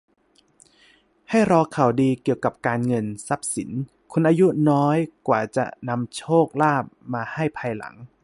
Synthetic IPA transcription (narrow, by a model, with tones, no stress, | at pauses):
ha˥˩jɾɔː˧kʰa˨˩wdiː˧ki˨˩əwka˨˩p̚kaː˧nŋɤ˧nsa˦˥p̚si˩˦n | kʰu˧nʔaː˧ju˦˥nɔː˦˥jkwaː˨˩t͡ɕa̰˨˩ʔna˧mt͡ɕʰoː˥˩k̚laː˥˩p̚maː˧ha˥˩jpʰaː˧jla̰˨˩˦ŋ